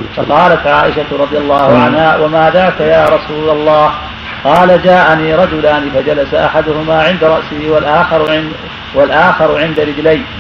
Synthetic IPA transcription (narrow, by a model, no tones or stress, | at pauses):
fɑqɑːlat̪ʕaːʔɪʃaɾˤɑd̪ˤɨjalˤːɑːhʊʕanhaːwʔamaːðaːkajaːɾˤɑsuːlalˤːɑːh | qɑːlad͡ʒaːʔaniːɾˤɑd͡ʒʊlaːnɪfad͡ʒalasaʔaħad̪ʊhʊmaːʕɪnd̪aɾˤɑʔsɪhɪwalʔaː | walʔaːxɑɾˤʕɪnd̪aɾɪd͡ʒlajn